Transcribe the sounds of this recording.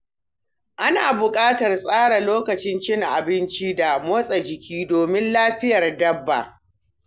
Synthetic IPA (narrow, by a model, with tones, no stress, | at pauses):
ʔa˦naː˨bʊ˨kʼaː˦tɐ˨rsʼaː˦ɽa˨loː˦kɐ˨t͡ʃɪ˦nt͡ʃɪ˦ŋʔa̰˨bɪ˦nt͡ʃi˦da˨moː˦sʼɐ˨d͡ʒɪ˨kʲiː˦doː˨mɪ˦nlaː˦ɸɪ˦jɐ˨rdɐ˦bːa̰˨